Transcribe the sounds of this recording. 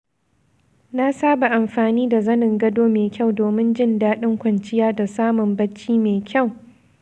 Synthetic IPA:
na˦saː˦ba˨ʔa˨mɸaː˨niː˦da˨zɐ˦nɪ˨ŋɡɐ˦doː˦meː˨kʲa˦˨wdoː˨mɪ˦nd͡ʒɪ˦ndaː˦ɗɪ˦ŋkʷɐ˨nt͡ʃɪ˦jaː˦da˨saː˦mʊ˨mbɐ˦t͡ʃːiː˦meː˨kʲa˦˨w

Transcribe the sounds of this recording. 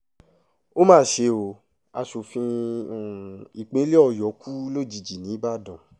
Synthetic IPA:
o˦mãː˦˨ʃe˧o˨ | a˧ʃo˨fĩ˧˨ | i˨k͡pẽ˨˦le˦ɔ˧˨jɔ˨˦kʰu˦lo˦˨d͡ʒi˧˨d͡ʒi˨nĩ˨˦ba˦˨dɔ̃˨

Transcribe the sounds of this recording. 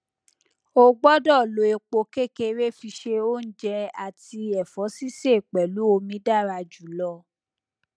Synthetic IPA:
o˧ɡ͡bɔ˦dɔ˦˨lo˨˦e˧k͡po˧ke˦ke˧ɾe˦fi˧ʃe˧o˦n̩˦d͡ʒɛ˧a˨ti˧ɛ˨fɔ˨˦si˦se˦˨k͡pɛ˨lu˨˦o˧mĩ˧˦da˦˨ɾa˧d͡ʒu˨lɔ˧

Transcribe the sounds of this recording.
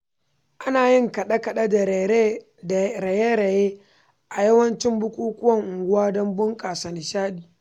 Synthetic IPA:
ʔa˦naː˨jɪ˦ŋkɐ˨ɗɐ˦kɐ˨ɗa˦da˨˦˨ | ɾe˨jeː˦ɾe˨jeː˦ | ʔa˨jɐ˦wɐ˦nt͡ʃɪ˦mbʊ˦kʷʼuː˦kʷʊ˦wɐ˦˨ŋʔʊ˨ŋɡʷʊ˦waː˦dɔ˦mbʊ˦ŋkʼaː˨sa˨nɪ˨ʃaː˦ɗiː˨

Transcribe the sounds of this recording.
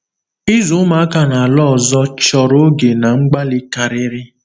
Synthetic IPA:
i˦zu˨˦ma˨˦a˦ka˦na˨a˨lɔ˦˨zɔ˦t͡ʃɔ˨ɾo˦ɡe˨na˨ŋ͡m̩˦ɡ͡ba˦lɪ˦ka˨ɾɪ˦ɾɪ˦

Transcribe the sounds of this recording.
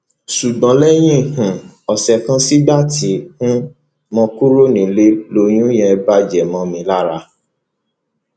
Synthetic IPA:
su˨ɡ͡bɔ̃˨˦lɛ˦j̃ĩ˦˨hũ˨ɔ˨sɛ˨kã˦si˦ba˦˨ti˨˦hũ˦ | mɔ̃˧ku˦ɾo˦nĩ˨le˧˦lo˧j̃ũ˦j̃ɛ̃˧ba˦d͡ʒɛ˨mɔ̃˧mĩ˧˦la˦ɾa˧

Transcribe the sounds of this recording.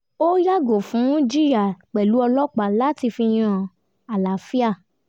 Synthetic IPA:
o˦ja˦ɡo˨fũ˨˦nĩ˦d͡ʒi˦ɾa˦˨k͡pɛ˨lu˨˦ɔ˧lɔ˦k͡pa˨la˨˦ti˧fi˧j̃ã˧˨ | a˨la˨fi˦a˦˨

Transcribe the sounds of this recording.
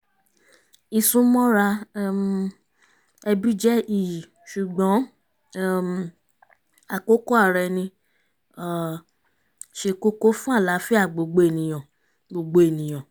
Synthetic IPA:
i˧sũ˦mɔ̃˦ɾa˧˦m | ɛ˧bi˦d͡ʒɛ˦i˦˨ | ʃu˨ɡ͡bɔ̃˨˦˨ | a˨ko˦ko˦a˦˨ɾɛ˧nĩ˧˨ | ʃe˧ko˦ko˦fũ˦a˦˨la˨˦fi˦a˦˨ɡ͡bo˨ɡ͡bo˧˦e˦˨nĩ˨j̃ɔ̃˨ | ɡ͡bo˨ɡ͡bo˧e˨nĩ˨j̃ɔ̃˨

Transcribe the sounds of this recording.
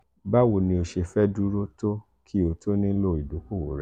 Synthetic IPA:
ba˦wo˨nĩ˧o˧ʃe˧fɛ˦du˦ɾo˦to˦ | kʰi˦o˧to˦nĩ˦lo˦˨i˨du˨˦ko˦˨wo˨ɾɛ˨˦

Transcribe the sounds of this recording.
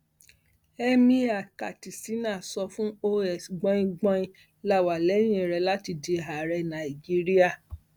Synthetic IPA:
ɛ˦mĩ˧a˨ka˨ti˨si˨˦nã˦˨sɔ˧fũ˦o˦ɛ˨sɡ͡bɔ̃˦jĩ˧ɡ͡bɔ̃˦ĩ˧ | la˨˦˨wa˨lɛ˨˦j̃ĩ˦˨ɾɛ˧la˦ti˧de˧ɦa˨ɾɛ˧nã˨i˨d͡ʒi˦ɾi˦a˦˨

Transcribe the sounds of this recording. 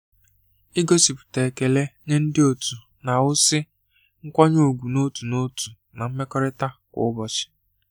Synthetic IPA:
i˦ɡo˦si˨pʊ̥˨te˨ke˨le˦ɲe˦n̩˦dɪ˦o˨tu˨ | na˨wʊ˦sɪ˦ | ŋ̩˦kʷɔ˦ɲo˦˨ɡʷu˨no˦tu˨no˦tu˨ | na˨m̩˦me˦kɔ˦ɾɪ˦ta˦kʷʊ̰˨˦ʊ˦bɔ˨t͡ʃɪ̥˨

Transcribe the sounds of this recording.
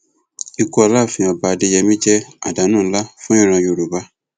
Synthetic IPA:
i˧kɔ˦˧a˧la˦˨fĩ˧a˧ba˧de˧jɛ˧mĩ˦d͡ʒɛ˦a̰˨da˨˦nũː˦˨˦la˦fũ˦ĩ˦˨ɾ̃ã˧jo˧˨ɾu˨ba˧˦

